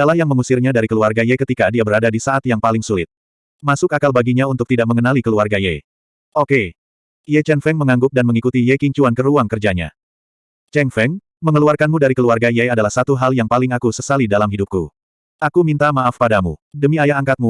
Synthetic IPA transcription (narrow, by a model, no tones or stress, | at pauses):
alahjaŋməŋusɪrɲadaɾikəluarɡajɛkət̪ikadiabəɾadadisaʔat̪jaŋpalɪŋsulɪt̪̚ | masʊkakalbaɡiɲaunt̪ʊk̚t̪idak̚məŋənalikəluarɡajɛ̰ | ʔoke | jɛt͡ʃɛnfɛŋməŋaŋɡʊp̚danməŋikut̪ijɛkiɲt͡ʃuankəɾuaŋkərd͡ʒaɲa̰ | t͡ʃɛnfɛŋ | məŋəluarkanmudaɾikəluarɡajɛadalahsat̪uɦaljaŋpalɪŋakusəsalidalamɦidup̚kṵ | ʔakumint̪amaafpadamṵdəmiajaɦaŋkat̪̚mu